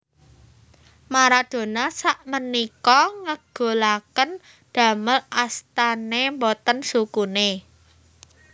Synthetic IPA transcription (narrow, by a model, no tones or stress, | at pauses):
maɾad̪̥o̤nasaʔmənikɔŋəɡ̥o̤lakən | d̪̥ä̤məlʔast̪anembot̪ənsukune